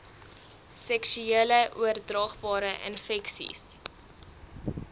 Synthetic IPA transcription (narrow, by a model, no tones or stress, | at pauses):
sɛksyiələʔuərdrɑːχbɑːɾəʔə̰nfɛksḭs